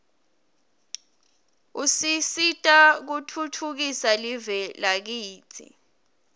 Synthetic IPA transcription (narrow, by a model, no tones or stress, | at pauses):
usisitʼak̬utʰutʰuk̬isalivɛlak̬iːt͡sʰḭ